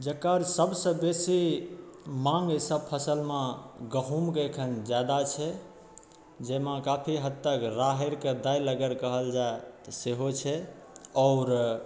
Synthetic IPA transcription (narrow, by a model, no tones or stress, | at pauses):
d͡ʒəkːəɾsəbsə̃besi | maŋɡsəb̚pʰəsəlmeɡəɦumkekʰənd͡ʒjad̪at͡ʃʰɛ | d͡ʒemakapʰiɦət̪t̪ːəkɾaɦeɾked̪ajləɡəɾkəɦəld͡ʒaet̪əseɦot͡ʃʰɛ | ɔʊɾ